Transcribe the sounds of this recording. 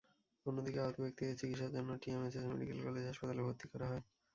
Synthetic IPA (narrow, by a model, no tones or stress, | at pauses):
onːod̪ikeaot̪bek̚t̪iet͡ɕikit̪ʃab̚d͡ʑonːoʈiemesesmḛɖḭkelkɔled͡ʑɦaʃpat̪alebʱot̪ːikɔɾaɦɔe